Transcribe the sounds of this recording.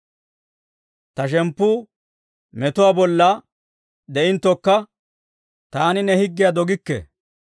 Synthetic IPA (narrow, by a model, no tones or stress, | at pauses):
t̪ɐʃ̬ɛmpːʊː | mɛt̪ʊwaːbɔlːɐ | d̪ɛʔɪnt̪ːɔkːɐ | t̪aːnɪnɛhɪɡːɪjad̪ɔɡɪkːɛ̰